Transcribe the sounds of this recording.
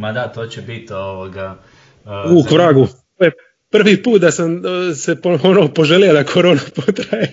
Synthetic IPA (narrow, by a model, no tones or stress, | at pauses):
mad̪at̪oːt͡ɕebit̪oʋoɡa | uːkʋɾaːɡut̪oje | pr̩ʋiːpuːt̪̚d̪asamsepoonoopo̞ʒelijad̪akʰoɾo̞ːnapot̪ɾaje